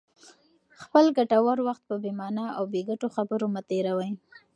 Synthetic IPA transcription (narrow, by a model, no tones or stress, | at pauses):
xpəlɡaʈawaɾwaxt̪̚pəbemɑnaawbeɡaʈoxabəɾomat̪eɾawaj